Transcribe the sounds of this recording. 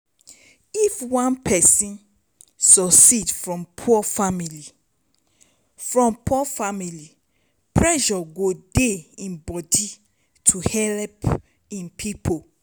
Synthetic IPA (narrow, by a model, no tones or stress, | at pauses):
ifwãnpʰɛsĩn | sɔsidfɹɔ̃mpʰuɔfamili | fɹɔ̃mpʰufamili | pʰɹɛʃɔɡodeĩnbɔdi | tʰuhɛlp | ĩnpʰipʰo